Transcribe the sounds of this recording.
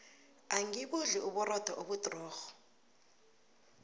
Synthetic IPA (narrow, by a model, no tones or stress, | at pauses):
aŋiɓuɮiʔuɓurɔd̥ʱaʔoɓutʼrɔːxɔ̥